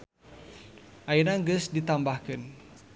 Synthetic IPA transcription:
ʔainaŋɡəsdit̪ambahkən

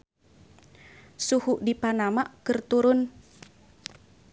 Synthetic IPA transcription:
suhuʔdipanamaʔkɨrt̪uɾʊn

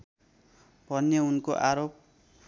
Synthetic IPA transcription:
pʌnːjʌunkoʔaɾop̚

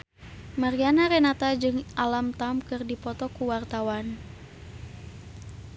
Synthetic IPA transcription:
maɾianaɾɛnat̪ad͡ʒɨŋʔalamt̪amkɨrdipɔt̪ɔkuwart̪awan

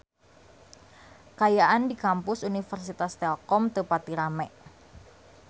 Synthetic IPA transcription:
kajaʔandikampʊsunifərsit̪ast̪ɛlkɔmt̪əpat̪iɾamɛʔ

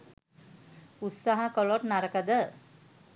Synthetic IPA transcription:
ut̪saɦakoloʈnaɾəkəd̪ə

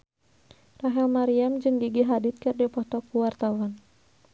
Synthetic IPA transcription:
raɦɛlmaɾiamd͡ʒɨŋɡiɡiɦadit̪̚kɨrdipɔt̪ɔkuwart̪awan

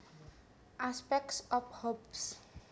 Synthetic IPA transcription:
ʔaspɛk̚sɔfhops

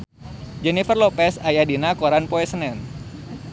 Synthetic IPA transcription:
d͡ʒɛnifərlopɛsajadinakoɾanpoɛsənɛn

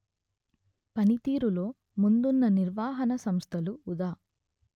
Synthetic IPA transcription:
pɐnit̪iːɾulo̞ː | mund̪unːɐniɾʋaːɦɐnɐsɐmst̪ʰɐluːd̪aː

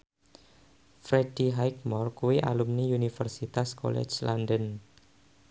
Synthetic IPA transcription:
fɾed̥iɦajk̚mɔrkuwiʔa̰lumniunifərsit̪asko̰lɛ̰t͡ʃlandən

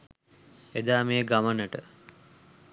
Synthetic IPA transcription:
ed̪aːmeːɡamənəʈə

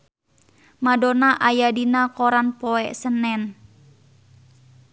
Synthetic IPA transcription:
madɔnaʔajadinakɔɾanpɔɛʔsənɛn

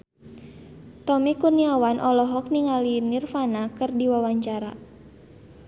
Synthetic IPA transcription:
t̪ɔmikurniawanʔɔlɔɦɔk̚niŋalinirfanakɨrdiwawaɲt͡ʃaɾa

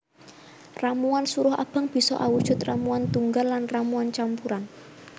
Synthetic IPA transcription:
ramuansuɾʊha̰b̥ə̤ŋb̥i̤sɔ̰ʔawud̥ʒ̥ʊ̤t̪ramuant̪uŋɡalːanramuant͡ʃampuɾan

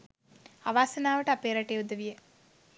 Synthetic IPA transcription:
aʋaːsɐnaːʋəʈəapeːɾaʈeːud̪əʋijə

